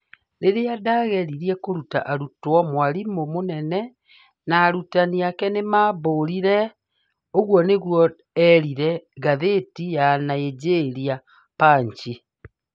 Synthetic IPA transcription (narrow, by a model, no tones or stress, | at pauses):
ɾeɾeadaːɣɛɾiɾiɛkoɾuta̰ʔaɾutwɔmwaɾimomonɛnɛ | naːɾutaniakɛnemaːβoːɾiɾɛ | oɣwɔneɣwɔ | ɛɾiɾɛɣaðetijanaed͡ʑeɾia | paːɲt͡ʃi